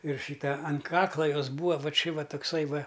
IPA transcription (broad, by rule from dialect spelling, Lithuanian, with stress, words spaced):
ɪr ˈʃʲiːtɐ ɐn ˈkɑːklˠɐ ˈjoːs ˈbuːʋɐ ˈʋɐ ˈt͡ʃʲɪ ˈʋɐ tʊkˈsɐɪ ˈʋɐ